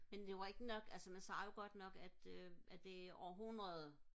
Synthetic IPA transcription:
mend̥e̝ʋɑ̈e̝ɡ̥ənɒ̽ɡ̥ælsəmænsɑ̈ːjo̝ɡ̥ɒ̽d̥nɒ̽ɡ̥æd̥øʔæ̥e̝ɒːɐɦunʁɐðˠ

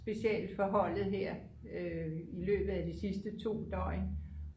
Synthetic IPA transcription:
sb̥e̝ɕiɛld̥fɒ̽ɦɒ̽l̰ð̩ˠɦeɐ̰ | øilø̰ːb̥ð̩ˠæd̥isisd̥ət͡sʰo̝̰ːd̥ɒ̰ɪn

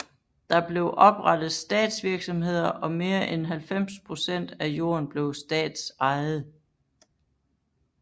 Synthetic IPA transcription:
d̥ɑ̈b̥le̝ʊʔɒ̽b̥ʁɑ̈d̥ð̩ˠsd̥ɛ̰ːd̥sʋiɐɡ̥sɒ̽mɦe̝ð̰ˠɐʔɒ̽me̝ːɐʔenɦælfem̰spʰʁo̝sen̰d̥æjo̝̰ːɐnb̥le̝ʊsd̥ɛ̰ːd̥sɑ̈ɪð̩ˠ

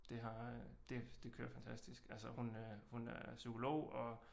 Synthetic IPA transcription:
d̥e̝ɦɑ̈d̥e̝d̥e̝kʰøːɐfænt͡sʰæsd̥isɡ̥ælsəhunøhunæɐsykʰo̝lo̝̰ʊ̰ɒ̽

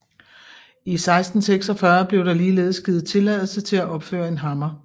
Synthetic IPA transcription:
isɑ̈ɪsd̥n̩seɡ̥sɒ̽fɶɐb̥le̝ʊdɑ̈liːlḛːð̩ˠsɡ̥ið̩ˠt͡sʰe̝læð̰ˠl̩sət͡sʰe̝læʔɒ̽b̥fø̰ːɐe̝nɦɑ̈mɐ

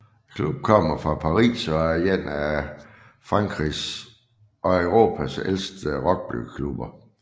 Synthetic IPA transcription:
kʰlub̥̚kʰɒ̽m̰ɐfʁɑ̈pʰɑ̈ʁḭːsɒ̽æjen̰æ | fʁɑ̈ŋ̰ɡ̥ʰʁis | ʔɒ̽øʊʁo̝̰ːpʰæsel̰sd̥əʁɒ̽ɡ̥̚b̥ly̰̥kʰlub̥ɐ

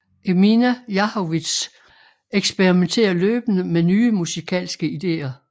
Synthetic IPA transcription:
ʔeminæjɑ̈hoʋid̥s | eɡ̥sb̥eʁiment͡sʰe̝̰ːɐløːb̥ənəmenyːmusikʰɛ̰ːlsɡ̥əid̥e̝̰ːɐ

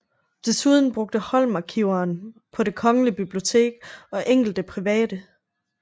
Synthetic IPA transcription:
d̥e̝suð̞ˠn̩b̥ʁɔ̽ɡ̥̚d̥əhɒ̽l̰mɑ̈kʰiʊ̰ɐːnpʰɒ̽de̝kʰɒ̽ŋəlib̥ib̥lio̝t͡sʰe̝̰ːɡ̥ɒ̽ʔeŋ̰ɡ̥l̩d̥əpʰʁiʋɛ̰ːd̥ə

